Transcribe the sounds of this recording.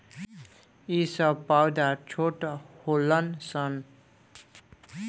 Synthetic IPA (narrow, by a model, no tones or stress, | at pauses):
isʌpawd̪at͡sʰoʈholʌnsʌn